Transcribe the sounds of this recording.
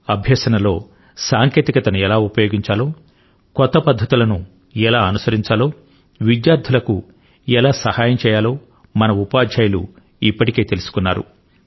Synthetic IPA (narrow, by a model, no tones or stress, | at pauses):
ɐbʱjɐːsɐnɐlo̞̰ː | saːŋke̞ːt̪ikɐt̪ɐnuɛlaːupɐjoːɡiɲt͡ʃaːlo̞ː | kɔt̪ːɐpɐd̪ʱːɐt̪ulɐnu | ɛlaːɐnusɐɾiɲt͡ʃaːlo̞ː | ʋid̪jaːɾd̪ʱulɐku | ɛlaːsɐhaːjɐmt͡ʃɛːjaːlo̞ː | mɐnɐupaːd̪d͡ʒaːjɐlṵ | ipːɐʈi̥ke̞ːt̪e̞lusu̥kunːaːɾṵ